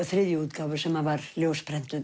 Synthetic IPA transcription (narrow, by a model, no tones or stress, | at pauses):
θɾeːðjəʉːt̪ɡɑːʋəsɔmavɑɾljoːspɾɛnt̪əð